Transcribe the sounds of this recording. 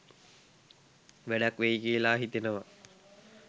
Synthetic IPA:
ʋæɖakʋejkiːlaːɦit̪enəʋa

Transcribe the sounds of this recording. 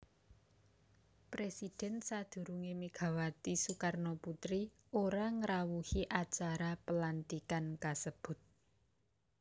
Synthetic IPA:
pɾesid̥ɛ̤nsad̪̥ṳɾuŋemiɡ̥a̤wat̪isukarnoput̪ɾi | oɾaŋəɾawuhiʔat͡ʃaɾapəlant̪ikankasəb̥ʊ̤t̪̚

